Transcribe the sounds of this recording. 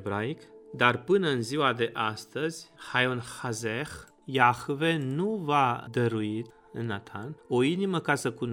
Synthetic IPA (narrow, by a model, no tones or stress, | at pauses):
bɾaikd̪arpɨnəɨnziwad̪eʔast̪əz̥ʲhajonhazex | jahuvenuvad̪əɾuit̪ | ɨnat̪ʰanoiniməkasəkun